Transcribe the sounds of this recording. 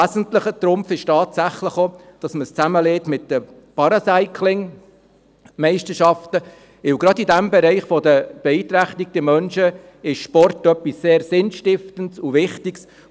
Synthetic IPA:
æzəntləχət̪ɾʊmpfɪʃtɑːtsæχləχod̥ɑsməst͡sæməleːtmɪtːd̥ə | pɑɾɑsæɪkʰlɪŋ | mɛɪʃtəʃɑftə | ʋɪwɡɾɑdidæmbɛɾɛɪχfɔdəb̥eiːt̪ɾæχtiɡ̚d̥̪əmœnʃə | ɪʃʃpɔrtœpːisːeːɾsɪnʃtɪftəntsʊvɪχtɪks

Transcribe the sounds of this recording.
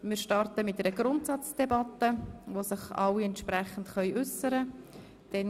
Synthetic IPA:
mɪɾʃtɑrtəmɪt̚ɛɾəɡrʊntsɑt͡sd̥ɛbɑtːəʋosɪχɑ̰lːiɛntʃpɾɛχən̩tχœʏʔʉsəɾə | d̥ɛn

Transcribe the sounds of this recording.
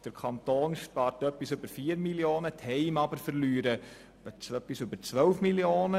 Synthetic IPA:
d̥əɾkʰɑnt̪oːnʃpɑːɾtœpːisʉbəɾfiːɾmiljoːnəthɛɪmɑbəɾfəɾlyːɾə̥ | əœpːisʉbəɾt͡sʋœwfmiljoːnə

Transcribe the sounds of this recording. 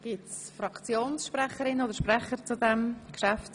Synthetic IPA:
ɡ̥ɪts | fɾɑkt͡sjoːnsʃprɛχəɾɪnoːdəɾʃprɛχəɾt͡sudɛmkʃæft

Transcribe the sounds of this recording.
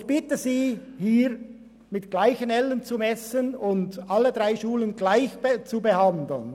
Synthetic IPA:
ɪçb̥ɪtəziːhiːɾ | mɪtɡ̥laɪçənɛlənt͡sumɛsənʊndʔɑlədʁaɪʃuːlənɡlaɪçt͡subəhɑnd̪l̩n

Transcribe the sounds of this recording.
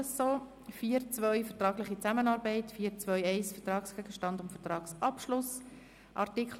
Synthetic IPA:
sːoː | fiːɾt͡svœʏfəɾtɾɑːɡlɪχit͡sæmənɑːɾbɛɪtfiːɾt͡svœʏɛɪsfətɾɑːksɡ̥ɛɡ̥əʃtɑndʊmfətɾɑːksɑpʃlʊs | ʔɑ̰ɾtɪkʰl

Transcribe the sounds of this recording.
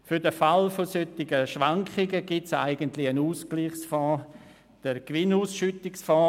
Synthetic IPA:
fʏɾdəfalfosøtɪɡəʃʋaŋkχɪɡəɡitsa̰ɪɡəntlɪənuːskliχsfɔ̃ː | d̥əɾkvɪnuːsʃytɪksfɔ̃ː

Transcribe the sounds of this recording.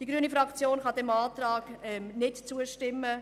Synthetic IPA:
d̥iɡɾyːənifɾɑkt͡sjoːnχɑdɛmɑːt̪rɑːɡ̥ɛmnɪtt͡suəʃtɪmːə

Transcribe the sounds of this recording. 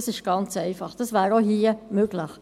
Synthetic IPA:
sɪʃɡ̥ɑnt͡sɛɪfɑχd̥ɑsvæːɾoɦiːəmøɡ̥ləχ

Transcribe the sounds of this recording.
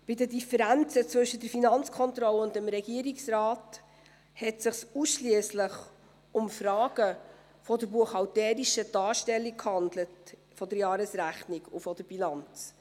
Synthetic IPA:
b̥ɪdədifəɾænt͡sət͡svɵʃːədəɾfinɑnt͡skʰɔnt̪ɾɔləʊntəmɾɛɡ̥iːɾiksrɑːt | hɛtsɪχsusʃliəsləχ | ʊmfɾɑːɡ̥ə | fɔdəɾbuəχɑwtɛːɾiʃəd̥ɑːɾʃtɛlːikhɑndlət | fɔdəɾjɑːɾəsɾæχniɡufɔd̥əɾb̥ilɑnt͡s

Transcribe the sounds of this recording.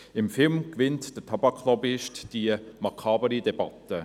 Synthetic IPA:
ɪmfɪlmkʋɪntd̥ətʰɑbɑkʰːlɔbɪʃtd̥iəmɑkʰɑːbəɾidɛbɑ̰tə

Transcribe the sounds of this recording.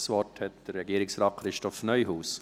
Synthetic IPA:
sʋɔthɛtd̥əɾːɛɡiːɾɪksɾɑːtχɾɪʃtɔfnœʏɦuːs

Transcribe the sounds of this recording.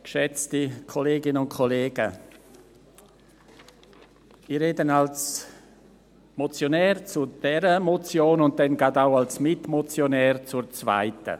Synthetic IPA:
kʃɛt͡stikʰoleːɡɪnənʊntkʰoleːɡ̥ə̰ | iːɾeːdənals | mɔt͡sjonɛːɾt͡sud̥ɛɾəmot͡sjoːnʊnt̚dɛnɡaːdaʊalsmɪtmɔt͡sjonɛːɾt͡suɾt͡sva̰ɪtə̰

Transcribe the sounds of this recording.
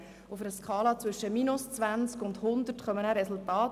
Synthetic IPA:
ufəɾəskʰɑːlɑt͡sʋʏʃːəminʊst͡sʋænt͡skʊndhʊnd̪əɾtχœmənæɾɛsʊltɑːt

